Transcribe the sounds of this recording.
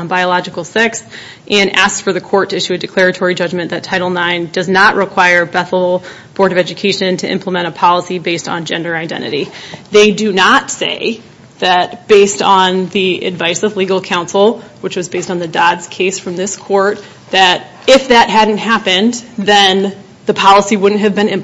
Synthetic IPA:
baɪəlɑd͡ʒɨkl̩ˠsɪks | ʔɨ̃næ̰sksfə˞ðɨkʰɔɹtʰɨɪʃʉɨdɨkʰl̥ɛɹɨtʰɔɹid͡ʒʌd͡ʒmɨ̃nðɨtʰaɪɾl̩ˠnãɪ̃ndʌznəʔɹʔɨkʰw̥aɪə˞bɛθl̩ˠ | b̥ʰɔɹɾʌvɛd͡ʒɨkʰeɪʃɨ̃ntʰɨʔɪ̰̃mpʰləmɛ̃ɾ̃əpʰɑlˠəsibeɪstn̩d͡ʒɛ̰̃ndə˞aɪdɛ̰̃ñɨ̰ɾiðeɪdɨnətsḛɪ | ðɨt̚b̥eɪstn̩ðiɨ̰dvaɪsʌvliɡl̩ˠkʰãʊ̃nsl̩ˠ | wɨt͡ʃwʌzbeɪstn̩ðɨdɑdz̥kʰeɪsfɹʌ̃mðɪskʰɔɹt̪̚ | ðɨɾ | ɪfðɨt̚ɦædⁿn̩t̚hæpɨ̃nðɨ̃n | ðɨpʰɑlˠəsiwʊdⁿn̩t̚ɦɨvbɨ̃nɪ̃m

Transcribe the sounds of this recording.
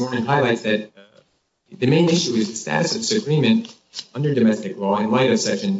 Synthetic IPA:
ɔɹnɪ̃ŋɦaɪlaɪtsðɨt̪̚ | ðɨmẽɪ̃nɪʃʉɨzðɨstæ̰ɾɨsʌvdɪsɨɡɹ̥ĩmɨ̃nt | ʌ̃ndə˞dɨmɛstɨklɔɨ̃nlaɪɾʌv̥sɛkʃɨ̃n

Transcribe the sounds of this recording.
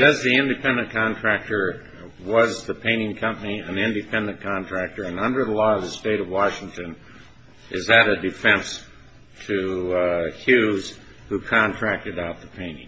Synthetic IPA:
ɨzðiɪ̃ndɨpʰɛ̃ndɨ̃nkʰɑ̃ntʰɹ̥æk̚tə˞ | wʌzðɨpʰẽɪ̃ñɪ̃ŋkʰʌ̃mpəniɨ̃nɪ̃ndɨpʰɛ̃ndɨ̃nkʰɑ̃ntʰɹ̥æk̚tə˞ɨ̃nʌ̃ndə˞ðəlɔʌvðɨsteɪɾʌvwɑʃɪ̃ŋtɨ̃n | ʔɨzɨɾɨdɨfɛ̃ns | tʰɨ | hjʉz̥ | hukʰɑ̃ntʰɹ̥æk̚tɨɾaʊt̪̚ðəpʰẽɪ̃nɪ̰̃ŋ

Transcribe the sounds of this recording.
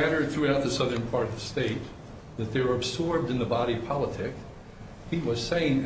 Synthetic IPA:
æɾə˞d̪̚θɹʉaʊt̪̚ðɨsʌðə̃˞npʰɑɹɾʌvðɨsteɪt̪̚ | ðɨt̪̚ðeɪwə˞ɨbzɔɹb̚dɨ̃nðəbɑɾipʰɑlˠətʰɪk | hiwʌz̥seɪɪ̃ŋ

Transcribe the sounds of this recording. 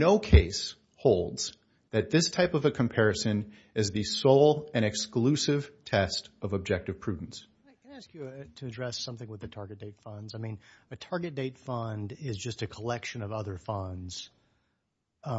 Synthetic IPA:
noʊkʰeɪs | hoʊlˠdz̥ | ðɨt̪̚ðɪstʰaɪpʌvɨkʰɨ̃m̩pʰɛɹɨsɨ̃n | ɨzðɨsoʊlˠɨ̃ɾñɨksklʉsɪv̥tʰɛstʌvəb̚d͡ʒɛk̚tɨv̥pʰɹ̥ʉdⁿn̩s | ɪkɨ̃nɪæskjɨtʰɨɨdɹɛsʌ̃mθɪ̃ŋwəðɨtʰɑɹɡɨt̚d̥eɪtfʌ̃ndzaɪmĩnɨtʰɑɹɡɨt̚d̥eɪtfʌ̃ndɪzd͡ʒʌstɨkʰəlɛkʃɨ̃nʌvʌðə˞fʌ̃ndz̥

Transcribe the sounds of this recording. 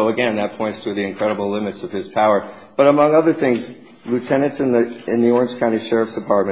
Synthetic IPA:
ʊəɡɛ̃nðɨt̚pʰɔ̃ɪ̃ntstʰɨðiɨ̃nkʰɹ̥ɛɾəbl̩ˠlɪ̃mɨtsʌv̥ɨz̥pʰaʊə˞ | b̥ʌɾəmʌ̃ŋʌðə˞θɪ̃ŋz | lʉtʰɛnɨ̃ntsɨ̃nðɨɪ̃nðiɔɹɨ̃nd͡ʒ̥kʰãʊ̃niʃɛɹəfsd̥ɨpʰɑɹt̚mɨ̃

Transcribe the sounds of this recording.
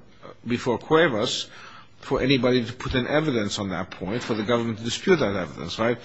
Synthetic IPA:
bɨfɔɹkʰw̥eɪvəs | fə˞ʔɛñibɑɾiɾɨpʰʊɾɨ̃nʔɛvɨɾɨ̃nsn̩ðə̰t̚pʰɔ̃ɪ̃ntfə˞ðɨɡʌvə˞mɨ̃n̩tʰɨdɨspʰjʉt̪̚ðɨɾɛvɨɾɨ̰̃nsɹaɪt̚

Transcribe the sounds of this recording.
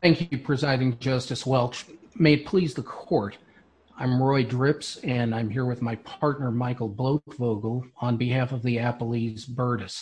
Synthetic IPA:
θæ̃ŋkjɨpʰɹ̥ɨzaɪɾɪ̃ŋd͡ʒʌstɨswɛlˠt͡ʃmeɪɨt̚pʰl̥izðəkʰɔɹɾ | ãɪ̃mɹɔɪdɹɪpsɨ̃nãɪ̃mɦiɹwɨðmaɪpʰɑɹtⁿnə˞maɪkl̩ˠbloʊkvoʊɡl̩ˠə̃nbɨɦæfʌvðiæpl̩ˠizbɜ˞ɾɨs

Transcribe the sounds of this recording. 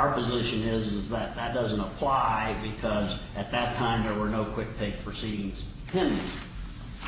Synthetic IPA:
ʊə˞pɨzɪʃɨ̃nɪzɪzðɨt̪̚ðət̚d̥ʌzə̃n̩təpʰl̥aɪbɨkʰʌzʔɨt̪̚ðɨtʰãɪ̃mðə˞wə˞noʊkʰw̥ɪk̚tʰeɪk̚pʰɹ̥ɨsiɾɪ̃ŋz̥ | pʰɪ̃nɨ̃ŋ

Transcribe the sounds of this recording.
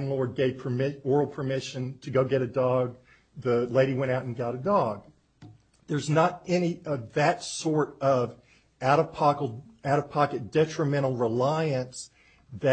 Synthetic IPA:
nlɔɹd̚ɡeɪv̥pʰə˞mɪɔɹl̩ˠpʰə˞mɪʃɨ̃ntʰɨɡoʊɡɛɾɨdɔɡ̚ | ðɨleɪɾiwɛ̃ɾ̃aʊɾn̩ɡɑɾɨdɔɡ̚ | ðə˞znəɾɛñiʌvðɨtsɔɹɾʌv | aɾəpʰɑk̩ˠaʊɾɨ̥pʰɑkɨt̚d̥ɛt͡ʃɹ̥ɨmɛ̃ɾ̃l̩ˠɹɪlaɪɨ̃ns | ðɨ

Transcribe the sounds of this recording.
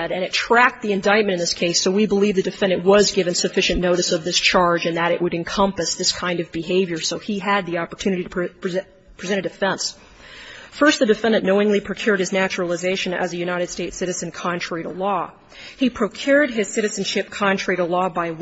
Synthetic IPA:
ɾɨ̃ñɨtʰɹ̥æk̚t̪̚ðiɨ̃ndaɪt̚mɨ̃ɾ̃ɨ̃nðɪskʰeɪsoʊwibəlivðɨdɨfɛ̃ndɨ̃nwʌzɡɪvɨ̃nsɨfɪʃɨ̃nnoʊɾɨsʌvðɪst͡ʃʰɑɹd͡ʒɨ̃nðɨɾɨ̰ʔwəɾɨ̃nkʰʌ̃mpɨsðɪskʰãɪ̃ndʌvbɨɦeɪvjə˞soʊiɨd̪̚ðiɑpə˞tʰʉñɨɾiɾʰ | pʰɹ̥izɛ̃ɾ̃ɨdɨfɛ̃ns | fɜ˞st̪̚ðɨdɨfɛ̃ndɨ̃nnoʊɪ̃ŋlipʰɹ̥okʰj̥ʊɹɾ̚ɨznæt͡ʃɹl̩ˠəzeɪʃɨ̃nɨ̰zɨjʉnaɪɾɨd̥steɪtsɪɾɨzɨ̃nkʰɑ̃ntʰɹ̥ɛɹiɾəlɔ | ipʰɹ̥oʊkʰj̥ʊɹd̚ɪz̥sɪɾɨzn̩ʃɪp̚kʰɑ̃nt͡ʃʰɹ̥iɾəlɔbaɪ

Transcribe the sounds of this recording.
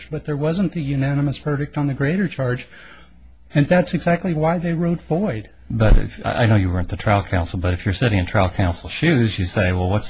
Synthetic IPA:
d͡ʒb̥ʌt̪̚ðə˞wʌzə̃nɨjʉnænəməsv̥ɜ˞ɾɨk̚tn̩ðɨɡɹeɪɾə˞t͡ʃʰɑɹd͡ʒ | ɨ̃nðætsɨɡzæk̚tˡliwaɪðeɪɹoʊdfɔɪd̥ | b̥ʌɾɪ̰fa̰ʔa̰ɪnoʊjɨwə˞ɨ̃nðɨtʰɹ̥aɪlˠkʰãʊ̃nsl̩ˠbʌɾɨfjə˞sɪɾɪ̃ŋɨ̃ntʰɹ̥aɪlˠkʰãʊ̃nsl̩ˠʃʉzjɨseɪwɛlˠwʌts

